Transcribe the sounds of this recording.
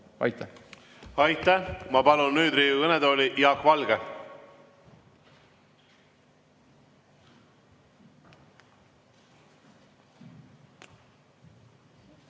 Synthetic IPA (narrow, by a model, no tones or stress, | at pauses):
ɑ̰jt̪ːæ | ɑjt̪ːæhmɑpɑlunːyːd̪ɾiːuɤned̪oːlʲiʔjɑkvɑlɡe